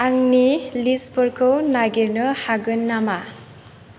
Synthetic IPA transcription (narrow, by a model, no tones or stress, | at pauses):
aŋnilispʰɯɾkʰɯwnaɡiɾnɯhaɡɯnːama